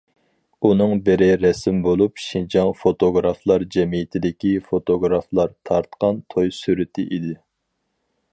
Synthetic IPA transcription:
unɨŋbɪɾɪɾɛsɪmbolˠupʃind͡ʒɑŋfot̪oɡɾɑflˠɑɾd͡ʒɛmijɪt̪ʰɪd̪ɪkʲifot̪oɡɾɑflˠɑɾt̪ʰɑɾt̪qɑnt̪ʰojsyɾɪt̪ʰɪʔid̪ɪ

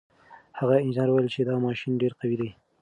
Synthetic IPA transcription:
haɣaɪnd͡ʒɪnɑɾwajlt͡ʃed̪ɑmɑʃinɖeɾqawid̪aj

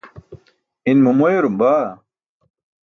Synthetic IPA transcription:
inmumoeɾumbaː

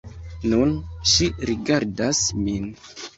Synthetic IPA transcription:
nunʃiɾiɡaɾdasmin

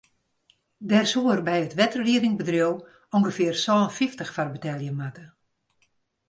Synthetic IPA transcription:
dɛrsuərbɛjətʋɛtərliədɪŋbədrjow | oŋɡəfɪərsɔːnfiftəxfarbətɛlˠjəmatə

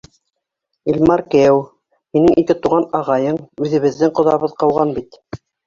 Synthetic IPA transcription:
ilʲmɑɾkæw | hinɘŋʔikɘt̪uʁɑnɑʁɑjɤɴʉðɘ̆βɘ̆ðːɘŋqŏðɑβɤðqɑwʁɑnbit̪

